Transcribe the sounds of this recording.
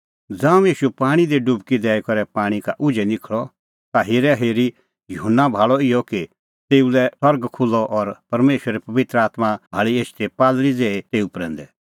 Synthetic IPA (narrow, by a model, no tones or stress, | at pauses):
d͡zãːũjiːʃupaːɽ̃id̪eɖʊbkid̪ɛːɛkɔɾɛpaːɽ̃ikaʔʊd͡ʒɛnɪkʰɭɔ | t̪aɦeːɾɛɦeːɾi | jʊɦənːabʱaːɭɔɪjɔki | t̪eːulɛsɐɾɡkʰʊlːɔʔɔɾpɐɾmeːʃɾipɐʋɪt̪ɾəaːt̪mabʱaːɭieːst̪ʰepaːlɾid͡zeːet̪eːupɾɛ̃ːnd̪ɛ